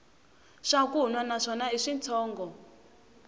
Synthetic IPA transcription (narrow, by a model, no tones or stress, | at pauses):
ʂakuɦunwanaʂɔnaiʂint͡sʰɔːŋɡɔ